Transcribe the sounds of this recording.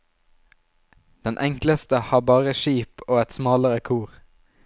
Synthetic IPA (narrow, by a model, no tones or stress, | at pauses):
d̪̥ɛnʔɛŋkləst̪əhɑːbɑːʁəʃiːpoːɛt̪smɑːləʁəkʰuːʁ